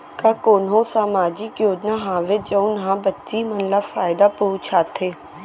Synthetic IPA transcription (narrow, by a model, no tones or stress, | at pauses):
kaːkoːnõːsaːmaːd͡ʒɪkjoːd͡ʒnaːɦãːʋed͡ʒəũnɦãːbətːʃiːmənlaːfʰaːɪd̪aːpəut͡ʃʰaːt̪ʰeː